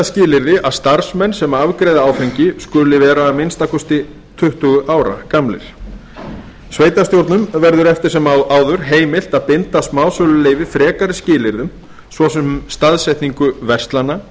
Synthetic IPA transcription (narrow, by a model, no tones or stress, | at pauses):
ascɪːlɪɾðɪʔaðst̪aɾ̥smɛnːsɛmavkɾejðaaːwfejɲcɪskʏlɪvɛːɾaːðmɪnst̪akʰɔst̪ɪ | t̪ʰʏht̪ʏɣʏʔaːwɾa̰kamlɪ̰ɾ̥ | sveːjt̪ast̪jowɾt̪nʏmvɛɾðʏɾɛft̪ɪ̥sɛmawaːwðʏɾ̥ɦeːjmɪl̥t̪aðpɪnt̪asmaːwsœlʏleːjvɪfɾɛːkaɾɪscɪːlɪɾðʏm | svɔsɛmst̪aðsɛht̪niŋkʏvɛr̥st̪lanːa